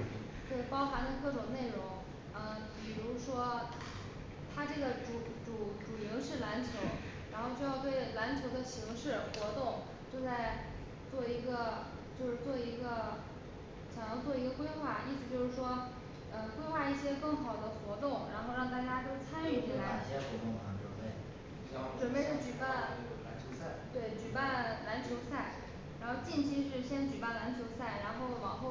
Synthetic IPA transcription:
t̪we˥˩ɪpɑ˥ʊxa˧˥nd̪ə˧kɤ˥˩ʈ͡ʂʊ˨˩ŋne˥˩ɪɻʊ˧˥ŋ | ə˧˩pi˨˩ɻu˧˥ʂwɔ˥ | t̪ʰa˥ʈ͡ʂɤ˥˩ɡə˩ʈ͡ʂu˧˩ʈ͡ʂu˨˩ʈ͡ʂu˨˩ljo˧˥ʂɻ̩˥˩la˧˥nt͡ɕʰjo˧˥ʊ | ɻa˧˥nxo˥˧ʊt͡ɕjo˥˧jɑ˥˧ʊt̪we˥˩ɪla˧˥nt͡ɕʰjo˧˥ʊd̪ə˧ɕi˧˥ŋʂɻ̩˥˩xwɔ˧˥t̪ʊ˥˧ŋ | t͡ɕjo˥˧ʊt͡sa˥˧ɪ | t͡swɔ˥˩i˧˥ɡə˧ | t͡ɕjo˥˧ʊʂɻ̩˥˧˩t͡swɔ˥˩i˧˥ɡə˧ | ɕjɑ˨˩ŋjɑ˥˧t͡swɔ˥˩i˧˥ɡə˧kwe˥ɪxwa˥˩i˥˩sɹ̩˨˧t͡ɕjo˥˧ʊʂɻ̩˥˩ʂwɔ˥ | ə˧kwe˥ɪxwa˥˧i˥˩ɕjɛ˥kɤ˥˩ŋxɑ˨˩ʊd̪ə˦xwɔ˧˥t̪ʊ˥˩ŋɻa˧˥nxo˥˧ʊɻɑ˥˧ŋt̪̬a˥˩t͡ɕja˥t̪o˥ʊt͡sʰa˥ny˥˩t͡ɕʰi˨˩la˧˥ɪ˥˧˨n˥˧˩ | ʈ͡ʂwə˨˩npe˥˧ɪʂɻ̩ə˥˩t͡ɕy˨˩pa˥˩nʰ˥˧˥ | t̪we˥˩ɪt͡ɕy˨˩pa˥˩nla˧˥nt͡ɕʰjo˧˥ʊsa˥˩ɪ | ɻa˧˥nxo˥˧ʊt͡ɕi˥˧nt͡ɕʰi˥ʂ̬ɻ̩˥˩ɕjɛ˥nt͡ɕy˨˩pa˥˩nla˧˥nt͡ɕʰjo˧˥ʊsa˥˩ɪɻa˧˥nxo˥˩ʊwɑ˨˩ŋxo˥˩

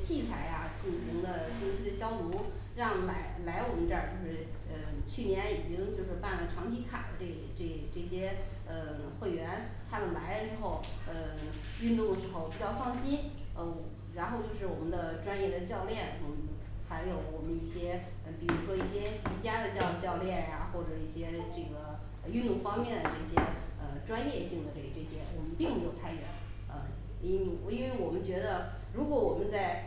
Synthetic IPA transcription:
t͡ɕʰi˥˩t͡sʰa˧˥ɪa˧t͡ɕi˥˩nɕi˧˥ŋd̪ə˧ʈ͡ʂʊ˥ɕi˥d̪ə˨˧ɕjɑ˥ʊt̪u˧˥ | ɻɑ˥˩ŋla˧˥ɪla˧˥ɪwɔ˨˩mə˦nʈ͡ʂə˞˥˨˩t͡ɕjo˥˧ʊʂɻ̩˥˩ | ə˧˩t͡ɕʰy˥˩njɛ˧˥ni˨˩t͡ɕi˥ŋt͡ɕjo˥˧ʊʂɻ̩˥˧pa˥˩nlə˩ʈ͡ʂʰɑ˧˥ŋt͡ɕʰi˧˥kʰa̰˨˩d̪ə˦ʈ͡ʂe˥˩ʈ͡ʂe˥˩ʈ͡ʂɤ˥˩ɕjɛ˥ | ə˧ | xwe˥˩ɪɥɛ˧˥n | t̪ʰa˥mə˨nla˧˥ɪd̪ə˧ʂɻ̩˧˥xo˥˩ʊə˧ | y˥˧nt̪ʊ˥˩ŋd̪ə˩ʂɻ̩˧˥xo˥˧ʊpi˨˩t͡ɕjɑ˥˧ʊfɑ˥˩ŋɕi˥nə˧˩˨ | ɻa˧˥nxo˥˧ʊt͡ɕjo˥˧ʂɻ̩˥˩wɔ˨˩mə˦nd̪ə˧ʈ͡ʂwa˥njɛ˥˩d̪ə˩t͡ɕjɑ˥˧ʊljɛ˥˩nə˥˩ | xa˧˥ɪjo˨˧˩ʊwɔ˨˩mə˦ni˥˩ɕjɛ˥ | ə˩pi˨˩ɻu˧˥ʂwɔ˥i˥˩ɕjɛ˥t͡ɕi˧˥t͡ɕja˥d̪ə˨t͡ɕjɑ˥˧ʊt͡ɕjɑ˥˧ʊljɛ˥˩nja˩xwɔ˥˩ʈ͡ʂɤ˨˩i˥˩ɕjɛ˥ʈ͡ʂɤ˥˩ɡə˩ | ə˧y˥˧nt̪ʊ˥˩ŋfɑ˥ŋmjɛ˥˩nd̪ə˩ʈ͡ʂɤ˥˩ɕjɛ˥ə˧ʈ͡ʂwa˥njɛ˥˧ɕi˥˩ŋd̪ə˩ke˨˩ɪʈ͡ʂɤ˥˩ɕjɛ˥wɔ˨˩mə˦npi˥˩ŋme˧˥ɪjo˨˩ʊt͡sʰa˥nɥɛ˧˥n | ə̰˧˥ | i˥nwe˥˩ɪwɔ˨˩mə˦nt͡ɕɥɛ˧˥d̪ə˧ | ɻu˧˥kwɔ˧˥wɔ˨˩mə˦nt͡sa˥˩ɪ

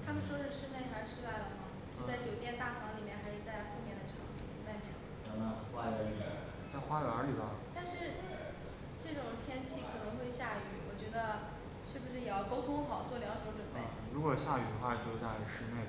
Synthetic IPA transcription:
t̪ʰa˥mə˨nʂwɔ˥ʂɻ̩˥˧ʂɻ̩˥˧ne˥˩ɪxʂɻ̩˥˧ʂɻ̩˥˧t̪a˥˩ɪlə˩mɐ˨˩ | ʂt͡sa˥˩ɪt͡ɕjo˨˩ʊt̪jɛ˥˧nt̪a˥˩t̪ʰɑ˧˥ŋli˨˩mjɛ˥˩nxa˧˥ɪʂɻ̩˥˧˩t͡sa˥˧ɪfu˥˧mjɛ˥˩nd̪ə˩ʈ͡ʂʰɑ˧˥ŋ˧˥˩t͡sa˥˩mjɛ˧˩˥n | t̪ʰa˥mə˧wa˥˧ə˧˩˨ɛ˨˧˩ | t͡sa˥˩ɪxwa˥y˨˧˩ə˧˥li˨˩ba˧t̪a˥˧nʂɻ̩˥˧ | ʈ͡ʂɤ˥˩ʈ͡ʂʊ˨˩ŋt̪ʰjɛ˥nt͡ɕʰi˥˩kʰɤ˨˩nɤ˧˥ŋxwe˥˧ɪɕja˥˩y˧˥wɔ˨˩t͡ɕɥɛ˧˥d̪ə˧ | ʂɻ̩˥˩bu˩ʂɻ̩˥˩jɛ˨˩jɑ˥˩ʊko˥ʊt̪ʰʊ˥ŋ˥xɑ˨˩ʊt͡swɔ˥˩ljɑ˧˥ʊʂə˧˥˧ʈ͡ʂwə˨˩npe˥˩ɪɻu˧˥kwɔ˨˩ɕja˥˩y˨˩xwa˥˧t͡ɕo˥˧t̪a˥˧˥ʂɻ̩˥˧ne˥˩ɪ

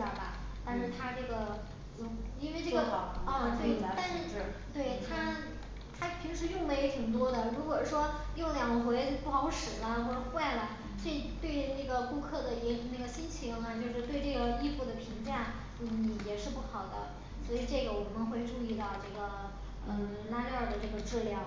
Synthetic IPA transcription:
ə̰˞˨˩bɐ̰˩t̪a˥˧nʂɻ̩˥˩t̪ʰa˥ʈ͡ʂɤ˥˩ɡə˩ | o˧˥i˥nwe˥˧ɪʈ͡ʂɡt̪we˥˩ɪ˧t̪a˥˧nʂɻ̩˥˩˧t̪we˥˩ɪt̪ʰa˥ | t̪ʰa˥pʰi˧˥ŋʂɻ̩˧˥jʊ˥˧ŋwe˧˥ɪ˥xʰi˨˩ŋt̪̬wɔ˥d̪ə˨ɻu˧˥kwɔ˨˩ʂwɔ˥jo˥˩ʊljɑ˨˩ŋɡə˧˥xwe˧˥ɪpu˥˩xɑ˧˥ʊʂɻ̩˨˩lə˦xwɔ˥˩ʈ͡ʂə˧˦xwa˥˩ɪlə˩ | swɔ˧˥i˨˩t̪we˥˧ɪna˥˩ɡə˩ku˥˧kʰɤ˥˩d̪ə˩jɛ˧˥i˧˥na˥˩ɡə˩ɕi˥nt͡ɕʰi˧˥ŋnə˧t͡ɕjo˥˧ʊʂɻ̩˥˧t̪we˥˧ɪʈ͡ʂɤ˥˩ɡə˩i˥˧fu˥˩d̪ə˩pʰi˧˥ŋʈ͡ʂa˥˩n | n̩˥˩jɛ˨˩ʂɻ̩˥˧pu˥˩xɑ˨˩ʊd̪ə̰˦ | swɔ˧˥i˨˩ʈ͡ʂɤ˥˩ɡə˩wɔ˨˩mə˦nxwe˥˧ɪʈ͡ʂu˥˧i˥˧t̪ɑ˥˧ʊʈ͡ʂɤ˥˩ɡə˩˧˩ | la˥ljɑ˥˩ʊd̪ə˩ʈ͡ʂɤ˥˩ɡə˩ʈ͡ʂɻ̩˥˧ljɑ˥˩ʊ

